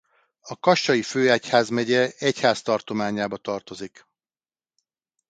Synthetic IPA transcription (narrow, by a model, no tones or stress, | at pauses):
ɒkɒʃt͡ʃɒjiføːachaːzmɛɟɛɛchaːst̪ɒrt̪o̞maːɲaːbɒt̪ɒrt̪o̞zik